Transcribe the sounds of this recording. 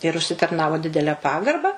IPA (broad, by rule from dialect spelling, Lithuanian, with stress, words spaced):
ɪr ʊʃʲsʲɪtɐrˈnɑːʋoː ˈdʲɪdʲɛlʲɛ ˈpɑːɡɐrbɐ